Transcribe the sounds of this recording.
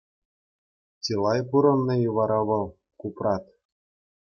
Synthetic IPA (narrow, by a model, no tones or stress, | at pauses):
tʲilˠɑjpuɾɤ̆nːɤjuʋɑɾɑʋɤ̆lˠ | kuprɑt̪